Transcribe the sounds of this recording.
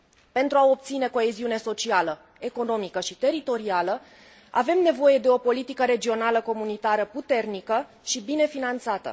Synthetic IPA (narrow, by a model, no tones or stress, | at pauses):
pe̞nt̪ɾuao̞p̚t̪sine̞ko̞e̞ziune̞so̞t͡ʃialə | e̞ko̞no̞mikəʃit̪e̞ɾit̪o̞ɾialə | a̰ve̞mne̞vo̞je̞d̪e̞o̞po̞lit̪ikəɾe̞d͡ʒio̞naləko̞munit̪aɾəput̪e̞rnikə | ʃibine̞finant̪sat̪ə̰